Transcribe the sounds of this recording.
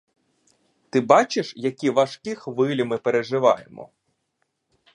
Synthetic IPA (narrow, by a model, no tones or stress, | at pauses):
t̪ɪbɑt͡ʃɪʃjɐkʲiʋɐʃkʲɪxʋɪlʲimɪpeɾeʒɪʋɑjḛmɔ̰